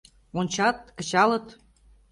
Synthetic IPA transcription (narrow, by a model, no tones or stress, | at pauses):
onʲt͡ɕɑt̪̚kə̆t͡ɕɑlɤ̆t̪